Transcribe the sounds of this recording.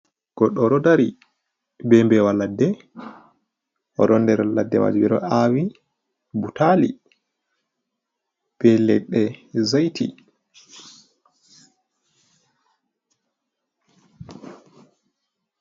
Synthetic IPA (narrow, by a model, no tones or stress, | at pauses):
ɡ̥ɔɗːɔɾɔdaɾi | bɛmbɛwaladːɛ | ʔɔ̰ɾɔndɛɾaladːɛma̰d͡ʒibɛɾɔ̰awi | butali | b̥ɛlɛɗɛzajtʰḭ